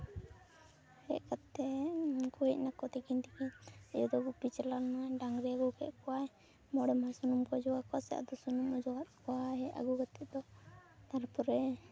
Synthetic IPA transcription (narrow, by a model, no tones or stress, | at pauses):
hɛ̰ʔkat̪ːɛkuɦic̚nakɔt̪ɛkint̪ɛkinɛjɔd̪ɔɡupit͡ʃɛlanmaɖaŋɾɛaɡukɛ̰ʔ̪̚kɔwaɛ | mɔɽɛmasunumkɔd͡ʒɔwakɔasɛa̰ʔd̪ɔsunumɔd͡ʒɔɡat̪̚kɔwaɦɛʔa̰ɡuɡat̪ʰɛʔd̪ɔt̪aɾpɔɾɛ